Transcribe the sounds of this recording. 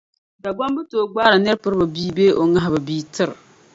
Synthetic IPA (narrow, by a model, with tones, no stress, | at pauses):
da˨ɡ͡ba˦mbɨ˦toː˨ɡ͡baː˦ɾa˨nɨ˦ɾpɨ˦ɾbɨ˨biː˦beː˦ʔo˨ŋa˦ɦɪ˨bɨ˨biː˦tɨ˦ɾ